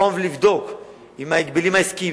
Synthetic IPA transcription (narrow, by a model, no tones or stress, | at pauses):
ovlivd̪ok | imaikbilimaiski